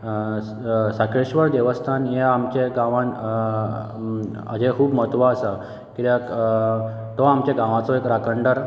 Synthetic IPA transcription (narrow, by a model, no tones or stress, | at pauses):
sakeɕʋəɾd̪eʋəst̪ʰanjeamt͡ɕẽɡãʋaɳ | ə̰d͡ʑekʰuːbmət̪ʋaəsa | kit̪jak | t̪ɔamt͡ɕaɡãʋat͡sɔekɾakəɳɖəɾ